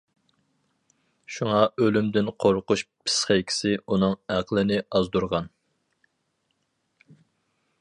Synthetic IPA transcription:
ʃuŋɑølymd̪ɪnqʰoɾqʊʃpʰɪ̥sχɛjkʲʰi̥sɪunɨŋæqʰlˠɪnɪɑzd̪uɾʁɑn

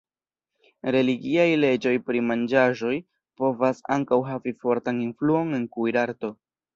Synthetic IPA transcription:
ɾe̞liɡiajle̞d͡ʒo̞jpɾimand͡ʒaʒo̞j | po̞vasa̰ŋkawɦavifo̞ɾtaninfluo̞ne̞nkujɾaɾto̞

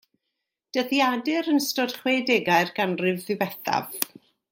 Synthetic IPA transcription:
d̥əðjadɨɾənstɔd̥χwedɛɡajrɡanrɨvðɨvɛθa̰v̥

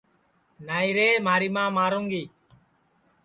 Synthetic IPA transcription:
najɾeːmaːɾimãːmaːɾuŋɡiː

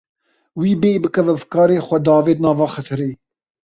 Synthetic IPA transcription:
wiːbeːbɨkɛvɛvkɑːɾeːxʷɛd̪ɑːveːd̪nɑːvɑːxɛt̪ʰɨɾeː

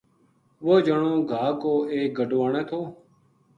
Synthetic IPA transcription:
ʋoːd͡ʒəɳõːɡʱaːkoːeːk̚ɡəɖʱoːaːɳẽːt̪ʰoː

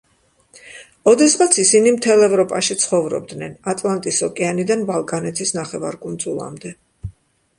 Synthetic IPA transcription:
ɔd̪ɛsʁat̪sʰisinimt̪ʰɛlˠɛvɾɔpʼaʃit̪sʰχɔvɾɔ̰b̚d̪nɛnat̪ʼlˠant̪ʼisɔkʼɛanid̪anbalˠkʼanɛt̪ʰisnaχɛva̰ɾkʼund̪zulˠa̰md̪ɛ

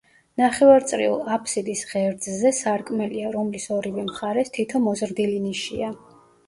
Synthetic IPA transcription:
naχɛvaɾt̪sʼɾḭṵlˠapʰʼsid̪isʁɛɾd̪zzɛsaɾkʼmɛliaɾɔmlisɔɾivɛmχaɾɛst̪ʰit̪ʰɔmɔzɾd̪iliniʃḭa

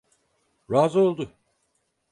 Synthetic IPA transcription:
ɾaːzolˠd̪u

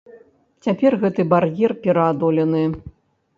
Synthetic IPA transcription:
t͡sʲapʲɛrɣɛt̪ɨbarjɛrpʲɛɾɐːd̪ɔlʲɛnɨ

